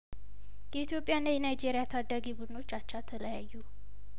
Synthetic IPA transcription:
jɛit̪jo̞pʼːjanːajɛnajd͡ʒe̞ɾijat̪ʰad̪ːaɡibud̪ɨno̞t͡ʃːat͡ʃːat̪ʰələjajːu

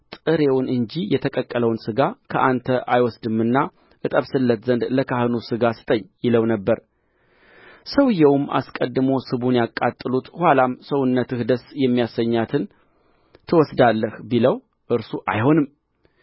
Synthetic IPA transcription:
t̪ʼɨɾe̞wʊnɨɲd͡ʒijɛt̪ʰəkʼəkʼːələwnsɨɡakʰə̰ʔant̪ʰəʔajwɔsd̪ɨmːɨnːa | ʔɨt̪ʼəβsɨlːət̪zənd̪ləkʰahɨnusɨɡasɨ̥t̪ʼəɲːjɪləwnəbːəɾ | səwɨjɛwʊmːa̰skʼəd̪ːɨmo̞sɨβunjakʼːat̪ʼːɨlut̪hʷwalamsəwʊnːət̪ɨhd̪əsjɛmːijasəɲːat̪ʰɨn | t̪ʰɨwɔsd̪alːəhbiləw | ʔɨɾsuʔa̰jho̞nɨm

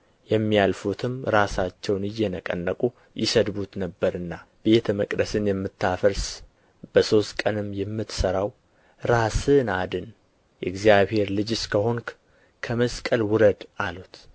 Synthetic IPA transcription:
jɛmːialfut̪ʰɨmɾasat͡ʃːɛwnɨjːɛnəkʼə̰nːəkʼu | jɪ̰səd̪but̪nəbːəɾɨnːa | b̥e̞t̪ʰməkʼd̪əsɨnjɛmːɨt̪ʰːafəɾs | b̥əso̞st̪kʼənɨmjɛmːɨt̪səɾaw | ɾasɨnad̪ɨn | jɛɡzijaβhe̞ɾlɨd͡ʒskʰəɦo̞ŋk | kʰəməskʼəlwʊɾəd̪ʔalut̪

